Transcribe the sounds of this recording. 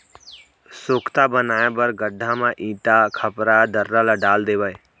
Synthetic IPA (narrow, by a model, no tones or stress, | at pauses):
sʊkʰt̪abənaːjabəɾɡəɖʱãmãʔĩːʈakʰəpɾad̪əɾːalaɖaːld̪eːʋəeː